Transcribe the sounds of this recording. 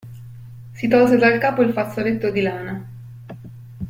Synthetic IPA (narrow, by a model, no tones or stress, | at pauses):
sit̪ɔls̬ed̪alkaːpoilfat̪sːolet̪ːod̪ilaːna